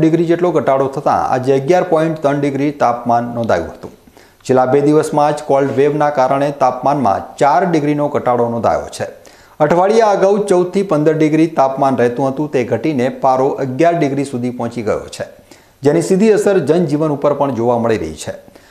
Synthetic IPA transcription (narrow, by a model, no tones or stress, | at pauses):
ɖɪɡɾid͡ʒeʈloɡʱəʈaɽot̪ʰət̪ã̰a̰d͡ʒeəɡjaɾpɔ̃iɳʈt̪ənɖɪɡɾit̪apmanːɔ̃nd̪ʱa̰jṵ̃ɦə̥t̪ṵ̃ | t͡ʃʰelːabed̪iʋəsmãd͡ʒkɔlɖʋeʋnakaɾəɳ̃et̪apmanmã̰t͡ʃaɾɖɪɡɾinoɡʱəʈaɽonɔ̃nd̪ʱa̰jo̰t͡ʃʰe | əʈʰʋaɭijaəɡaut͡ʃəwd̪̚t̪ʰipənd̪əɾɖɪɡɾit̪apmanɾəɦt̪ũɦət̪ũt̪eɡʱəʈinepaɾoʔəɡjaɾɖɪɡɾisud̪ʱipɔ̃t͡ʃiɡə̰jo̰t͡ʃʰe | d͡ʒenisid̪ʱiəsəɾd͡ʒənd͡ʒiʋənupəɾpəɳd͡ʒoʋaməɭiɾə̰ɦḭt͡ʃʰe